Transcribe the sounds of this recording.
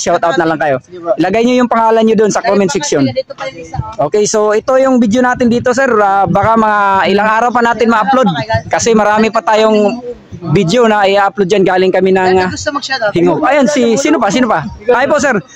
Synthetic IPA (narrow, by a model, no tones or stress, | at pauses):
ʃawt̪awt̪nɐlaŋkɐjo̞ʔɪlɐɡajɲojʊŋpɐŋaːlɐnɲod̪onsɐkomɪnfɪk̚sjon | ʔo̞ːkɛjso̞ʔɪt̪o̞jʊŋbɪd̪jonaːt̪ɪnd̪iːt̪o̞sɛɾabakamɐŋaʔɪlaŋʔaːɾɐwpɐnaːt̪ɪnmɐʔɐplod̪̚kɐsɛmɐɾaːmɪpɐt̪aːjoŋ | bid̪jonɐʔɪʔaːaplod̪d͡ʒanɡaːlɪŋkɐmɪnɐŋ | hɪŋoʔɐjonsɪsiːnopasiːnopajpoʔsɛɾ